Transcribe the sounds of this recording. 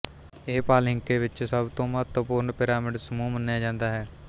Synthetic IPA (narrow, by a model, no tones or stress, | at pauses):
eːpaːlɪ̃ŋkeːʋɪt͡ʃsəbt̪õːmət̪əpʊːɾɳpɪɾaːmɪɖsəmuːmənːejaːd͡ʒãːnd̪aːɦɛː